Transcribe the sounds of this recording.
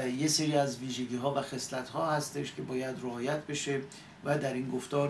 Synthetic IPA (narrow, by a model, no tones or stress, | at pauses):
jeseɾiːæzviːʒe̞ɡiːɦɒːvæxe̞slæt̪hɒːhæst̪e̞ʃcʲʰe̞bɒːjæd̪ɾeɒːjæt̪̚ʰbe̞ʃe̞ | væd̪æɾiːnɡoft̪ɒːɾ